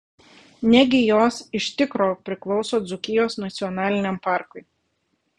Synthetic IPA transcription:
nʲɛɡʲɪjoːsɪʃt̪ʲɪkɾoːpʲɾʲɪklˠɒʊsoːd̪zʊkʲɪjoːsnɐt̪sʲɪɔnɑːlʲɪnʲɛmpɑˑɾkʊɪ

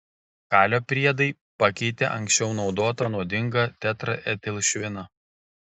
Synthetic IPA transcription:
kɑːlʲoːpʲɾʲiɛd̪ɐɪ | pɐkʲɛɪt̪ʲḛʔɐŋʲksʲt͡ʃʲɛʊnɒʊd̪oːt̪ɐnuɔd̪ʲɪŋɡɐt̪ʲæt̪ɾɐʔɛt̪ʲɛlʲʃʲʋʲɪnɐ

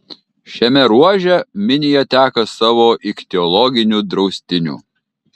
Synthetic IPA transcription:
ʃʲɛmʲɛɾuɔʒʲɛmʲɪnʲɪjɛt̪ʲæːkɐsɑːʋoːʔɪkʲt̪ʲɛɔlˠɔɡʲɪnʲuːd̪ɾɒʊsʲt̪ʲɪnʲṵː

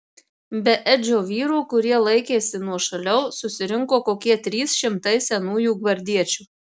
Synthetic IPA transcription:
bʲɛʔɛd͡ʒʲoːʋʲiːɾuːkʊɾʲiɛlˠɐɪkʲeːsʲɪnuɔʃɐlʲɛʊsʊsʲɪɾʲɪŋkoːkoːkʲiɛt̪ʲɾʲiːsʃʲɪmt̪ɐɪsʲɛnuːjuːɡʋɐɾʲd̪ʲiɛt͡ʃʲuː

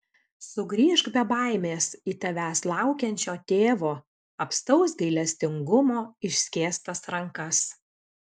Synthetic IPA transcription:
sʊɡɾʲiːʒɡbʲɛbɑˑɪmʲeːsiːt̪ʲɐʋʲæːslˠɑˑʊkʲɛnʲt͡ʃʲoːt̪ʲeːʋoː | ɐpst̪ɐʊsɡɐɪlʲɛsʲt̪ʲɪŋɡʊmoːɪʃʲsʲkʲeːst̪ɐsɾɐŋkɐs

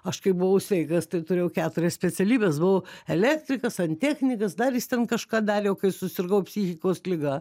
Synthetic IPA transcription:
ɐʃkɐɪbʊʋɐʊsʲʋʲɛɪkɐst̪ɐɪt̪ʊɾʲeːjɛʊkʲæːt̪ʊɾʲɛssʲpʲɛt͡s̪ʲɛlʲiːbʲeːsbʊʋoɛlʲæːkt̪ʲɾʲɪkɐsɐnʲt̪ʲæːxʲnʲɪkɐsd̪ɐrjɪst̪ʲɛnkɐʃkɑːd̪ɑːɾʲeːjoʊkɐɪsʊsʲɪrɡɐʊpʲsʲiːxʲɪkoːslʲɪɡɐ

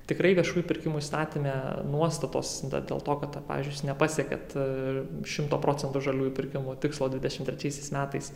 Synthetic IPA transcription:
t̪ʲɪkɾɐɪʋʲiɛʃuːjupʲɪɾʲkʲɪmuist̪ɑːt̪ʲimʲenuɔst̪ɐt̪o̰ːsd̪̰d̪ʲḛːlˠt̪oːkɐt̪pɑ̰ːʋʲiːzʲd͡ʒʊnʲɛpɑːsʲiɛkʲɛ̰t̪ | ʃʲɪmt̪oːpɾoːt͡sʲɛnt̪ʊʒɐlʲuːjupʲɪɾʲkʲɪmʊt̪ʲɪkslˠoːd̪ʲʋʲɪd̪ʲɛʃʲɪmt̪ʲɾʲɛt͡ʃʲɛɪsʲɛɪsmʲæːt̪ɐɪs

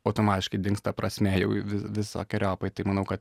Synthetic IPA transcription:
ɐʊt̪oːmɑːt̪ʲɪʃkɐɪd̪ʲɪŋkst̪ɐpɾɐsʲmʲɛjɛʊʋʲɪʋʲɪso̰ːkʲɛɾʲoːpɐɪt̪ɐɪmɐnɐʊkɐt̪

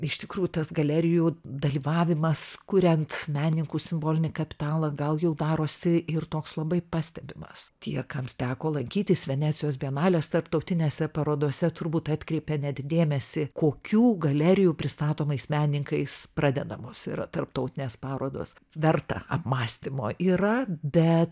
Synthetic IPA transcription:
ɪʃt̪ʲɪkɾuːjut̪ɐsɡɐlʲæɾʲɪjuːd̪ɐlʲiːʋɑːʋʲɪmɐskʊɾʲɛnt̪mʲæːnʲnʲɪŋkuːsʲɪmboːlʲɪnʲɪkɐpʲɪ̥t̪ɑːlˠɐɡɐlˠjɛʊd̪ɑːɾoːsʲɪɪrt̪oːkslˠɐbɐɪpɑːsʲt̪ʲɛbʲɪmɐ̰st̪ʲiɛkɐmt̪ʲæːkoːlˠɐŋʲkʲiːt̪ʲɪsʋʲɛnʲæːtt͡s̪ʲɪjoːsbʲiɛnɑːlʲeːst̪ɐrpt̪ɐʊt̪ʲɪnʲeːsʲɛpɐɾoːd̪oɔsʲɛt̪ʊrbuːt̪ɑːt̪ʲkɾʲɛɪpʲɛnʲɛt̪ʲd̪ʲeːmʲɛsʲɪkoːkʲuːɡɐlʲæːɾʲɪjuːpʲɾʲɪst̪ɑːt̪oːmɐɪsmʲæːnʲnʲɪŋkɐɪsprɑːd̪ʲɛd̪ɐmoːsɪ̰ɾɐt̪ɐrpt̪ɐʊt̪ʲɪnʲeːspɑːɾoːd̪o̰ːs | ʋʲɛrt̪ɐ̰ɐ̰pmɑːsʲt̪ʲɪmo̰ːʔiːrɐbʲɛt̪

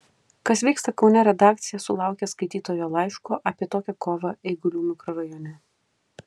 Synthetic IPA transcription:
kɐsʋʲiɪkst̪ɐkʊnʲɛɾʲɛd̪ɑːkt̪sʲɪjɛsʊlˠɑˑʊkʲɛskɐɪt̪ʲiːt̪oːjoːlˠɐɪʃkoːʔɐpʲiɛt̪oːkʲɛkoːʋɐɛɪɡʊlʲuːnʊkɾɐɾɐjɔnʲɛ

